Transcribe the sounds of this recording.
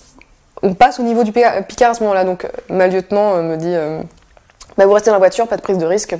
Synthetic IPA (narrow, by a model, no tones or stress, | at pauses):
ɔ̃pasonivod̪ypikʲaʁasəmɔmɑ̃lad̪ɔ̃kmaljøt̪mɑ̃øməd̪iø | bavuʁɛst̪ed̪ɑ̃lavwat̪yʁpad̪əpχizd̪əʁisk